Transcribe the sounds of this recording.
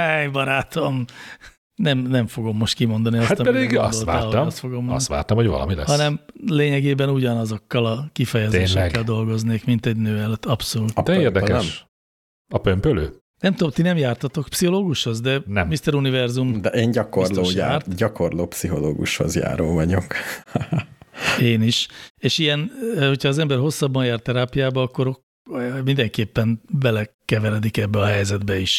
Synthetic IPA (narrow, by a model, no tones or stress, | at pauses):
ɛjbɒɾaːt̪o̞m | nɛmnɛɱfo̞ɡo̞mːo̞ʃt̪kimo̞nd̪ɒniɒshat̪ɒɛd̪iɡsolaaːost̪foɡomɒ̰t̪ʋa̰ːrt̪ɒmhovɒ̰lɒ̰milɛ̰hɒnɛmleːɲɛɡeːbɛnuɟɒnɒzo̞kːɒlɒkifɛjɛzeːʃʃɛɛɛɡkːɛld̪o̞lɡo̞zneːkmint̪ɛɟnøːɛløt̪ːɒpso̞luːt̪d̪ɛeːrd̪ɛkɛʃ | ɒpømpøløː | nɛmt̪ud̪omt̪inɛmjaːrt̪ɒt̪o̞kpsiho̞loːɡuʃhozd̪ɛnɛmmist̪ɛɾunivɛrzumd̪ɛʔeːɲɟɒkorsloːja̰ːrt̪ɟɒko̞rloːpsiɦo̞lo̰ːɡṵʃho̞̰zja̰ːɾo̰ːvɒɲok | eːniʃeːʃijɛnːhocʰɒːzɛmbɛrɦo̞sːɒbːɒnjaːrt̪ːɛɾaːpijaːbɒɒkːo̞ɾok | mind̪ɛŋkeːpːɛnbɛlɛkɛvɛɾɛd̪ikɛbːɛɒɦɛjzɛd̪bɛiʃ